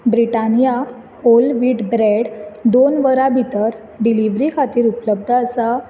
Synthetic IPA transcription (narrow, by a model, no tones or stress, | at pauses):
bɾiʈanija | holʋiːʈbɾeɽd̪onʋəɾabʱit̪əɾ | ɖiliʋɾikʰat̪iːɾupləb̚d̪ʱəːsa